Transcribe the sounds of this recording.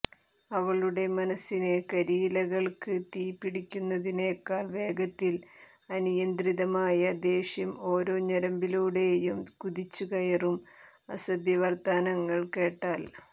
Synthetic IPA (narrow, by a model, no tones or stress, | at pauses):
ɐʋɐɭuɽe̞mɐnɐsːine̞kɐɾiːlɐɣɐɭkɨt̪iːpːiɽikʲːunːɐðineːkːaːɭʋe̞ːɡɐt̪ːil | ɐnijɐnd̪riðɐmaːjɐd̪e̞ːɕjɐmo̞ːɾo̞ːɲɐɾɐmbiluːɽe̞jumkuðit͡ɕːuɣɐjɐrum | ɐsɐbjɐʋɐrt̪aːnɐŋːɐɭke̞ːʈːaːl